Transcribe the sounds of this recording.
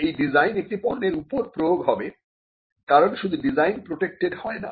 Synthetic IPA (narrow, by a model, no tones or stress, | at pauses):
ejɖizajnek̚ʈipɔnːeɾupoɾpɾojoɡɦɔbe | kaɾonʃud̪ʱuɖizajnpɾoʈek̚ʈeɖhɔena̰